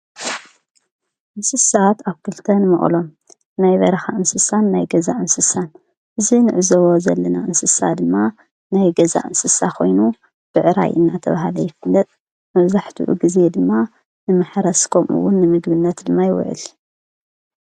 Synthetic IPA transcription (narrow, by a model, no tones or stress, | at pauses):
ʔɨnsɨsat̪aβkʰɨlt̪ʰɐnɨmɐ̰χʼlo̞m | najβɐ̰ɾɐxaʔɨnsɨsanːajɡɐzaʔɨnsɨsan | ʔɨzinɨʕɨzoβo̞zɐlːɐnaʔɨnsɨsad̪ɨmːa | najɡɐza̰ʔɨnsɨsakʰo̞̰jnu | b̥ɨʕɨɾa̰jʔɨ̰nːat̪ʰɐ̰βahalɐjɪfɨlːɐt̪ʼ | mɐβzaħt̪ʰṵʔṵɡize̞d̪ɨmːa | nɨmɨħɾɐskʰomʔṵwːʊnːɨmɨɡ̪bɨnːɐt̪d̪ɨmːajɪwʊ̰ʕɨ̰l